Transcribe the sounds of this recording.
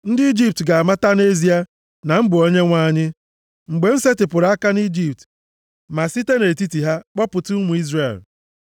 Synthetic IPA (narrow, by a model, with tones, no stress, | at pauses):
n̩˦dɪ˦i˦d͡ʒi˦p̚tɡa˨a˨ma˦ta˦ne˦zi˦a˦ | na˨m̩˦bʊ˨o˦ɲe˦ŋʷa˦˨ɲɪ˦ | ŋ͡m̩˨ɡ͡be˨n̩˦se˦tɪ˨pʊ˨ɾa˨˦a˦ka˦ni˦d͡ʒi˨p̚t | ma˨si˦te˦ne˨ti˦ti˨ɦa˦k͡pɔ˦pʊ˨tʊ˦mu˨i˦zre˨l